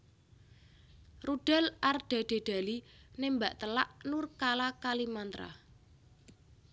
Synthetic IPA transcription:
rud̥a̤lʔarɖ̥a̤d̥e̤ɖ̪̥a̤linembaʔt̪əlaʔnurkalakalimant̪ɾa̰

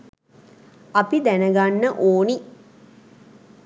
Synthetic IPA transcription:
ɐpid̪ænəɡanːəʔoːni

